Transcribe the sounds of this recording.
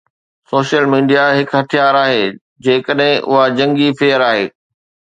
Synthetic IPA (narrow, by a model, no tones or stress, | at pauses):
soːʃəlmiːɖijaɦɪkɦɐt̪ʰijaːɾaːɦeː | d͡ʑeːkəɗɦɪ̃ʔʊ̰ɦad͡ʑɐ̃ŋɡifeːəɾaːɦeː